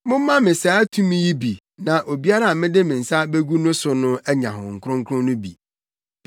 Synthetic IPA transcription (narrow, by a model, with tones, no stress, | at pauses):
mʊ̃˦m˦mã˦mɪ̃˨sa˨˦tʰũ˦mɪ̃˦ji˦bi˨ | nã˨ʔo˨bi˦a˦ɾa˦a˨mɪ̃˦dɪ˦mɪ̃˨n̩˨sa˦be˦ɡu˦nʊ̃˦sʊ˨nʊ̃˦æ˦ɲã̰˨ɦʊ̰̃˨ŋ̩˨kʰʊ˦ɾʊ̃˦ŋkʰʊ̃˦nʊ̃˦bḭ˨